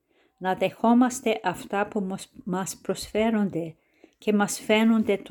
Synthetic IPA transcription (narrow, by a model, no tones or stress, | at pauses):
nɐðe̞xo̞mɐst̪e̞ʔɐft̪ɐpumɐspɾo̞sfe̞ɾond̪e̞ | ce̞mɐsfenond̪e̞t̪